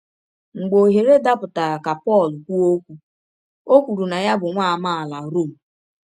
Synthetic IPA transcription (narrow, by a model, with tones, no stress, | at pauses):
ŋ͡m̩˨ɡ͡bo˨ɦe˨ɾe˦da˦pʊ˨ta˨ka˨pɔ˦˨lʊ˨kʷu˦o˦kʷu˦ | o˦kʷu˨ɾu˨na˨ja˦bʊ˨ŋʷa˦a˨ma˦a˨la˨ɾo˦˨m̩˨